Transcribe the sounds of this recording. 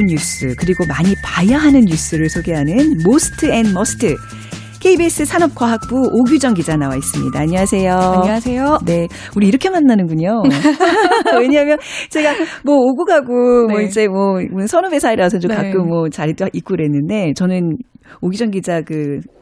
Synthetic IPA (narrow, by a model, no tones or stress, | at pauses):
njus͈ɯkɯɾiɡomaɲipajaɦanɯnjus͈ɯɾɯɭsʰoɡe̞ɦanɯnmosʰɯ̥tʰɯenmʌsʰɯ̥tʰɯ | kʰe̞ibes͈ɯsʰanʌp̚k͈waɦak̚p͈uʔoɡjud͡ʑʌŋɡid͡ʑanawais͈ɯmɲidaːɲʌwasʰe̞josene̞ | uɾiːɾʌkʰemanːanɯnɡuɲo | we̞ɲaɦmjʌnt͡ɕe̞ɡamwʌoɡuɡaɡomwʌid͡ʑe̞mwʌonɯnsʰʌnumesʰaiɾasʰʌt͡ɕokak͈ɯmwʌt͡ɕaɾit͈oik͈oɾe̞nːɯnde̞t͡ɕʌnɯnoɡud͡ʑʌŋɡid͡ʑakɯ